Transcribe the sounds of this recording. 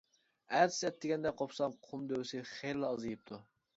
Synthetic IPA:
æɾsɛt̪ːɪɡʲɛnd̪ɛqʰopsɑmqʰʊmd̪øwsɪχeɾlˠɨɑzɨjɨp̚t̪ʰu

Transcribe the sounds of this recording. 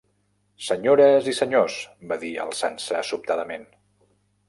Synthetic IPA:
səɲoɾəzisəɲosbaðiə̰lˠsansəːsup̚t̪aðəmen

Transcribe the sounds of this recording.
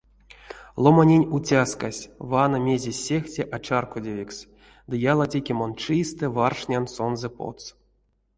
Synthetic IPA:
lˠomanʲenʲutʲaskasʲvanomʲe̞zʲesʲextʲeʔat͡ʃarkodʲevʲiks | d̪ɨjalˠatʲekʲemont͡ʂist̪ɛvarʂnʲansonzɛpo̰t̪s

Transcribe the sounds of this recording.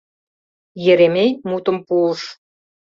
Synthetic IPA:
jĕɾemejmut̪ə̆mpuləʃ

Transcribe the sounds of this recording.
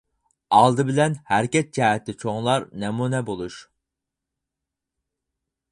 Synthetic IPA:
ɑlˠd̪ɨbɪlɛnhæɾkʲɛt̪̚d͡ʒɛːɛt̪ʰːɪt͡ʃʰoŋlˠɑɾnɛmunɛbolˠuʃ

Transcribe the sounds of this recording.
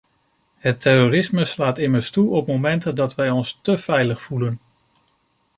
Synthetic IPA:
ɦətʰːɛrorɪsməslaːtɪməɹstuɔpmowmɛntəndɑtʋɛjɔnstəv̥ɛjləχfulən

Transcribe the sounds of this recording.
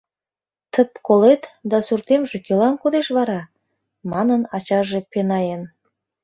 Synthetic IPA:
t̪ʰəpkolet̪d̪ɑsurt̪emʒekʲelɑnkod̪eʃβɑɾɑ | mɑnənɑt͡ɕɑʒĕpenɑjen

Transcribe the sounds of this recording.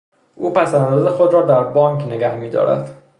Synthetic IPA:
ʔuːpʰæsæænd̪ɒːzexo̞d̪ɾɒːd̪æɾbɒːŋkʰneɡæhmiːd̪ɒ̰ːɾæ̰d̪̥

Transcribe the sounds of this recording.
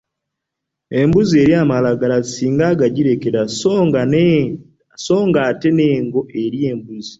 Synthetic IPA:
e̞mbuzie̞ɾiamalaɡalaisiːŋɡaːɡaɟiɾe̞ke̞ɾasŋɡa | so̞ːŋɡaːte̞ne̞ːŋɡo̞ʔe̞ɾie̞ːmbuzi

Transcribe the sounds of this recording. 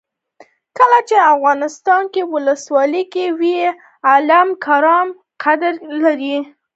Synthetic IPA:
kəlat͡ʃeafɣɑnɪst̪ɑnkewʊləswɑləkewi | alamkʰaɾɑm | qʰad̪aɾlaɾi

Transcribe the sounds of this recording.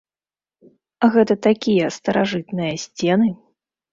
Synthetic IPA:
ɣɛt̪ɐt̪akʲijɐst̪ɐɾaʐɨt̪nɨjɐsʲt͡sʲɛnɨ

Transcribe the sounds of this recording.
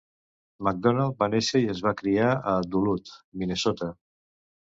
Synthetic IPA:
maɡ̚d̪ɔnalˠt̪̚baneʃəiəzβakɾiaəd̪ulut̪minesɔt̪a

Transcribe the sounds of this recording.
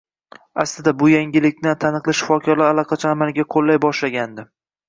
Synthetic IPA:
aslɪd̪abʊjaŋɡʲɪlɪk̚ʲnɪt̪ʰanɨqlˠɪʃɪ̥fɒkʲʰɒɾlaalɑqʰɑt͡ʃʰaːmalɡʲaqʰolːajbɒʃlaɡʲand̪ɪ

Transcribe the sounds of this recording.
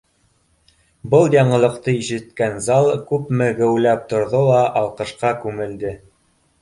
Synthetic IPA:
bɤlˠjɑɴɤ̆lˠɤ̆qt̪ɤiʃɘ̆t̪kænzɑlˠkʉpmɘɡɘ̆wlæp̚t̪ŏɾðolˠɑʔɑlˠqɤ̆ʃqɑkʉmɘ̆ld̪ɘ

